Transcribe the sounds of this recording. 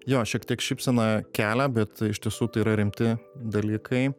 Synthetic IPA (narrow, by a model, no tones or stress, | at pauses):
joːʃʲiɛkt̪ʲiɛkʃʲɪpʲsʲɛnɐkʲæːlʲæbʲɛt̪ɪʃʲt̪ʲiɛsuːt̪ɐɪiːɾɐɾʲɪmʲt̪ʲɪd̪ɐlʲiːkʰɐɪ